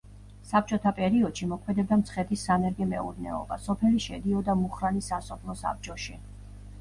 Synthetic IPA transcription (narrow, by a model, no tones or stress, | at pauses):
sap̚t͡ʃʼɔt̪ʰapʼɛɾiɔd̪̥ʃimɔkʰmɛd̪ɛb̚d̪amt̪sʰχɛt̪ʰisːanɛɾɡɛmɛ̰ṵɾnɛ̰ɔ̰ba̰sɔpʰɛliʃɛd̪iɔd̪amuχɾanisasɔpʰlˠɔsa̰p̚t͡ʃʼɔʃi